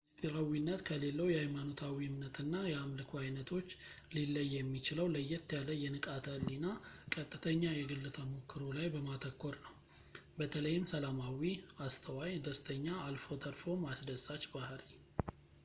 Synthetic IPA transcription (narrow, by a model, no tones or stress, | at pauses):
st̪ʼiɾawinːət̪kʰəle̞lːəwjɛhajmano̞t̪ʰawimnət̪ʰɨnːajɛamlɨkʰuajnət̪ʰo̞t͡ʃːlilːəjːjɛmːit͡ʃɪləwləjːɛt̪ʰːjaləjɛnɨkʼat̪ʰəlːinakʼət̪ʼːɨt̪ʰəɲːajɛɡɨlːɨt̪ʰəmukːɨɾolajbəmat̪ʰəkːo̞ɾnəw | bət̪ʰələjːɪmsəlamawiast̪ʰəwajd̪əst̪ʰəɲːaːlfo̞t̪ʰʼəɾfo̞masd̪əsat͡ʃbahɾi